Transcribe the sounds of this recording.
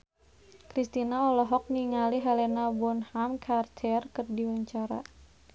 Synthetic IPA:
kɾist̪inaɔlɔɦɔk̚niŋaliɦɛlɛnabɔnhamkʰart̪ʰɛrkərdiwəɲt͡ʃaɾa̰

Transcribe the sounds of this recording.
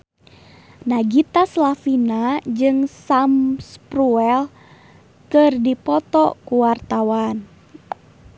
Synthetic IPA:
naɡit̪aslafinad͡ʒɨŋsamspɾuɛl | kɨrdipɔt̪ɔkuwart̪awan

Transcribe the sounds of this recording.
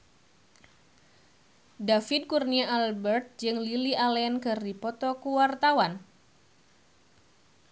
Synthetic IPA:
dafɪd̪̚kurniaʔalbɛrt̪̚d͡ʒɨŋliliʔalɛnkɨrdipɔt̪ɔkuwart̪awan

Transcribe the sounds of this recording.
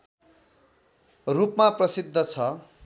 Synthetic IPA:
rupmaprʌsid̪ʱːʌt͡sʰʌ

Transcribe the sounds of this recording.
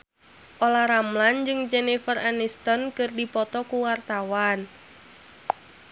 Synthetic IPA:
ʔolaɾamland͡ʒɨŋd͡ʒɛnifəranist̪ənkɨrdipɔt̪ɔkuwart̪awan

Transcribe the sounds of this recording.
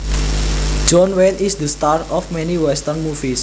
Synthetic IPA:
d͡ʒɔnwelisd̪əst̪aɾɔfmɛ̃niwɛst̪ərnmufis

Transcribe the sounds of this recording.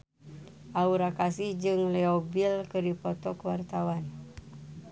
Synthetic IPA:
ʔauɾakasihd͡ʒɨŋlɛobilkəɾipot̪ɔkəwart̪awan

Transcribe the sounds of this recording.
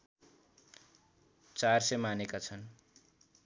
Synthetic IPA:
t͡sarsʌmanekat͡sʰʌn

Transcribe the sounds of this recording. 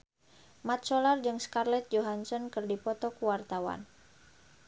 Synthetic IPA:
mat̪̚solard͡ʒɨŋskarlɛt̪̚d͡ʒoɦansɔnkɨrdipɔt̪ɔkuwart̪awa̰n

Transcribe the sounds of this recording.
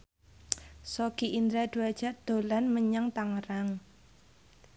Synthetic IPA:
sɔɡ̥iʔind̪ɾad̪̥uad̥ʒ̥a̤ʔd̪̥o̤lanməɲaŋt̪aŋəɾaŋ

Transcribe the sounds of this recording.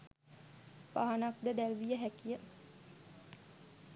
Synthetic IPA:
paɦanak̚d̪əd̪ælʋijəɦækijə

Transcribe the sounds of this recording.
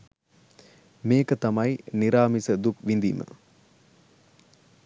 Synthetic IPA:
meːkət̪ɐmɐjniɾaːmisəd̪ukʋind̪ḭːmə̰

